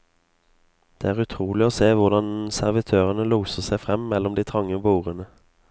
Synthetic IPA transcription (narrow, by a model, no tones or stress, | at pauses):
d̪̥ḛːæːʁʉt̪ʰʁuːlɪoːseːʋʊʁd̪ɑnsæʁʋɪt̪ʰøːʁənəluːsəʁsæɪfʁɛmmɛlɔmd̪iːt̪ʰʁɑŋːəbuːʁənə